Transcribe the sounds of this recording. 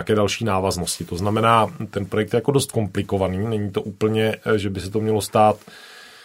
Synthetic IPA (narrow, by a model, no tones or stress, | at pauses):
kɛːdalʃiːnaːvaznoscɪt̪o̞znamɛnaːt̪ɛnpɾojɛk̚t̪jɛjako̞do̞st̪̚ko̞mplɪkovaniːnɛɲit̪o̞ʔuːpl̩ɲɛʒɛbɪsɛt̪o̞mɲɛlo̞st̪aːt̪